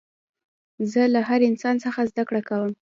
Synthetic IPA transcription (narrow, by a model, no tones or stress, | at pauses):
zəlaɦaɾɪnsɑnsəxazd̪akɽakawəm